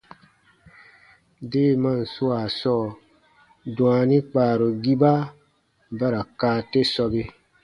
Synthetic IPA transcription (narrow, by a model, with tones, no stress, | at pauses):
deː˦˨mã˦˨n˨su˦a˨sɔː˦˨ | dũ˨a˨˧nĩ˦k͡paː˨ɾo˨ɡi˦ba˦ | ba˦ɾa˨kaː˧˦˨te˦sɔ˧be˧